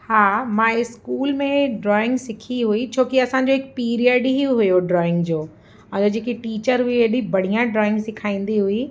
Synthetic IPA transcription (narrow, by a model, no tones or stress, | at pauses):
haːmãːɪskuːlmẽɖɾɔːɪ̃ŋɡsɪkʰiɦuit͡ɕʰoːkiɐsãɲ̆d͡ʑoːɦɪk̚piːɾiəɖɦiɦʊjoɖɾɔːɪ̃ŋɡd͡ʑoː | ɐ̃d͡ʑod͡ʑeːkiʈiːt͡ɕəɾɦʊiɐɗĩbɐɽ̤ijãɖɾɔːɪ̃ŋɡsɪkʰaːĩːn̆d̪iɦʊi